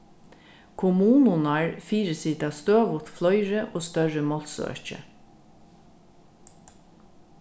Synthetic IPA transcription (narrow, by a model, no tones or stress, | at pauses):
kʰʊmuːnʊnɑɹfiːɹəsiːt̪ɑːst̪øːʋʊt̪flɔʏɹəʔoːst̪œɹəmɔlsœ̰ɹt͡ʃə̰